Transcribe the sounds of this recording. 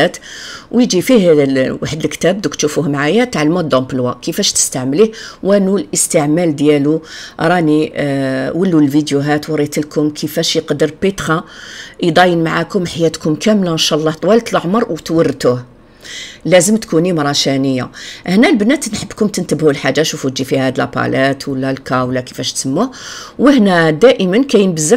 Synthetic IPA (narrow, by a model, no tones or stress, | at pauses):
æt̪wjd͡ʒifihwaħəd̪əlkt̪æb̚d̪ukt̪ʃufuhmʕajat̪ʕalmud̪ˤombəlwakəfæʃt̪ə̥st̪aʕmlihwʔænulʔəst̪əʕmæld̪jæluɾˤɑni | wəlːulvid̪juɦæt̪wɾˤit̪əlkʊmkʰəfæʃjəqd̪əɾbit̪xɑjd̪ˤɑjənmaʕakʊmħajæt̪kʊmkæmlaənʃɑʔlˤːɑht̪ˤwɑlt̪lʕməɾˤwt̪wərːt̪uh | læzəmt̪kunimɾˤɑʃænəjːa̰ʔəhnælbənːæt̪nħəbːkʊmt̪ənt̪əbhulħaʒːaʃufud͡ʒʒifihæd̪əlpɑ̰læt̪wəlːælkæwlækə̥fæʃt̪səmːuhwəhnæd̪æʔəmənkæjənbəzːə